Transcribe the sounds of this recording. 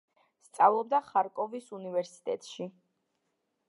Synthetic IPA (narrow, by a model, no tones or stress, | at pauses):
st̪sʼavlˠɔb̚d̪aχaɾkʼɔvisunivɛɾsi̥t̪ʼɛ̰t̪ʼʃi